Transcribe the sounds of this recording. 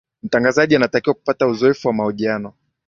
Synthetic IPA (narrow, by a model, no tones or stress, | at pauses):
m̩taŋɡazaʄianatakiwaku̥patauzɔɛfuwamahɔʄianɔ